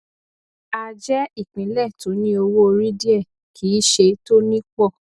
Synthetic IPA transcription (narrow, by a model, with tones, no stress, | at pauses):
a˧d͡ʒɛ˦i˦˨k͡pĩ˨˦lɛ˦˨tõ˨˦nĩ˦o˧wo˦o˧ɾĩ˦di˦ɛ˦˨ | kʰi˨˦ʃe˧to˦nĩ˦k͡pɔ˦˨